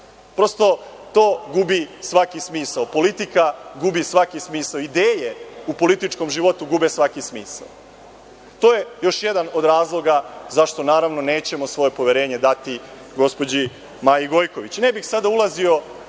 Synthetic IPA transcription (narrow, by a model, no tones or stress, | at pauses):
pɾo̞st̪o̞t̪o̞ːɡubisʋakismiːsaopo̞lit̪ikaɡubisʋakismiːsaoid̪eːjeupo̞lit̪it͡ʃko̞mʒiʋo̞t̪uɡubesʋakismiːsa̰o | t̪o̞ːjejo̞ʃje̞d̪ano̞d̪ɾaːzlˠo̞ɡazaʃt̪o̞naːɾaʋno̞ne̞ːt͡ɕe̞mo̞sʋo̞je̞po̞ʋeɾe̞ːɲe̞d̪at̪i | ɡo̞spod͡ʑi | maːjiɡo̞jko̞ʋit͡ɕne̞bixsad̪aulˠazio̞